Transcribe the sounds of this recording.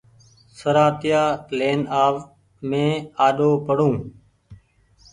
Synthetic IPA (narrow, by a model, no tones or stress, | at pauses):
səɾaːt̪ɪjaːleːnaːʋ | mẽːaːɗoːpəɽũː